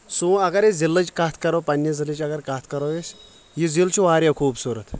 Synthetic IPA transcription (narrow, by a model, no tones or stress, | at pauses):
sũːɐɡɐɾizilːɐt͡ʃkɐt̪ʰkɐɾoːpɐnʲːjɐzilit͡ʃɐɡɐɾkat̪ʰkɐɾoːjes | jizilt͡ʃʰuʋaːɾʲjakʰuːbsuɾɐt̪